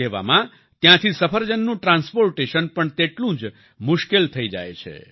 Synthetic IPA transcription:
eʋa̰mã | t̪jãt̪ʰisəpʰəɾd͡ʒənːũʈɾãnspoɾʈeʃənpəɳt̪eʈlũd͡ʒ | mʊʃkelt̪ʰəid͡ʒa̰jt͡ʃʰḛ

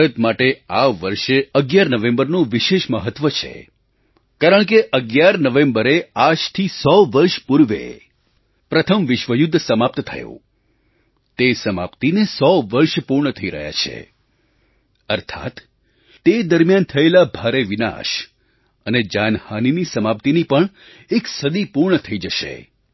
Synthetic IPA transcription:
ɾət̪maʈeaʋəɾʃeəɡjaɾnəʋẽmbəɾnõʋɪʃeʃməɦət̪ːʋət͡ʃʰḛ | kaɾəɳ̃k̬eʔəɡjaɾnəʋẽmbəɾead͡ʒt̪ʰisɔʋəɾʃpuɾʋḛ | pɾət̪ʰəmʋɪʃʋəjʊd̪ʱːsəmap̚t̪t̪ʰə̰jõ̰ | t̪esəma̰pt̪inesɔʋəɾʃpuɾɳət̪ʰəiɾə̰ɦja̰t͡ʃʰḛ | əɾt̪ʰa̰t̪ː | ed̪əɾmjant̪ʰəelabʱaɾeʋina̰ʃ | əned͡ʒanhaninisəmap̚t̪inipəɳ | eksəd̪ipuɾɳət̪ʰəid͡ʒəʃḛ

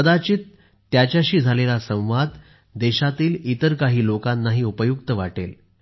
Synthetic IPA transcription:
əd̪at͡ɕit̪̚ː | jat͡ɕjaɕiːd͡zʱalelasə̃w̃ʋad̪ | d̪eɕat̪iːlit̪əɾkaɦiːlokãnːaɦiːupəjukt̪əʋaʈel

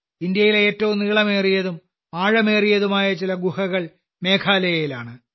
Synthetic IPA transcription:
ind̪jɐjile̞ːtːɐʋumniːɭɐme̞ːrijɐðum | aːɻɐme̞ːrijɐðumaːjɐt͡ɕilɐɡuhɐɣɐɭ | me̞ːkʰaːlɐjɐjilaːɳɨ

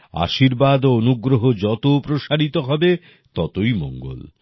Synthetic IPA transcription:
a̰ʃiɾbad̪oonuɡɾoɦod͡ʑɔt̪opɾoʃaɽit̪oɦɔbe | t̪ɔt̪ojmo̰ŋɡo̰l

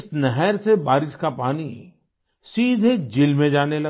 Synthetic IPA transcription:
snɛɦɛɾsebaːɾɪʃkapaːni | siːd̪ʱed͡ʒɪlmẽd͡ʒaːnelɐ

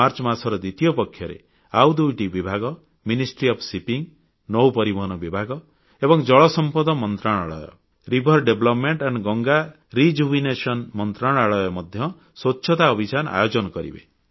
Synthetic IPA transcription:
aɾt͡ʃɔmasɔɾɔd̪it̪ijɔpɔkʰːjɔɾḛ | awd̪uiʈibibʱaɡɔ | minisʈɾiɔbsipiŋ | nɔwpɔɾibɔɦɔnɔbibʱaɡɔ | ebɔŋd͡ʒɔɭɔsɔmpɔd̪ɔmɔnt̪ɾaɽ̃aɭɔ̰jɔ̰ | ɾibʱɔɾɖeblɔpmeɳʈɛɳɖɡɔŋɡa | ɾid͡ʒubinesɔnmɔnt̪ɾaɽ̃aɭɔjɔmɔd̪ʱjɔ | swɔtːʃʰɔt̪aɔbʱid͡ʒanʔa̰jod͡ʒɔnɔkɔɾḭbḛ

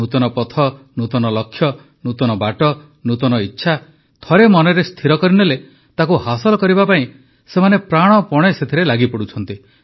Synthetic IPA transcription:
ut̪ɔnɔpɔt̪ʰɔ | nut̪ɔnɔlɔkʰːjɔ | nut̪ɔnɔbaʈɔ | nut̪ɔnɔitːʃʰa | t̪ʰɔɾemɔneɾest̪ʰiɾɔkɔɾinele | t̪akuhasɔlɔkɔɾiβapaĩ | semanepɾaɽ̃ɔpɔɽ̃eset̪ʰiɾelaɡipɔɽut͡ʃʰɔnt̪i

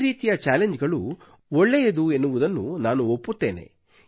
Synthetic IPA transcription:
ɾiːt̪ijɐt͡ʃaːleɲd͡ʒɡɐɭu | ɔɭːɛjɐd̪ue̞nːuʋud̪ɐnːunaːnuopːut̪ːe̞ːnḛ

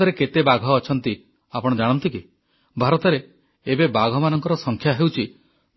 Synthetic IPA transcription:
ɔɾeket̪ebaɡʱɔːt͡ʃʰɔnt̪i | apɔɽ̃ɔd͡ʒaɽ̃ɔnt̪iki | bʱaɾɔt̪ɔɾe | ebebaɡʱɔmanɔŋkɔɾɔsɔŋkʰjaɦewt͡ʃʰi

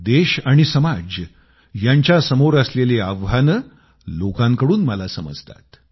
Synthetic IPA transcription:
d̪eɕaɽ̃isəmad͡z | jaɲt͡ɕjasəmoɾəsleleaʋanə | lokãŋkəɽuːnməlasəmə̰d͡zʱt̪a̰t̪

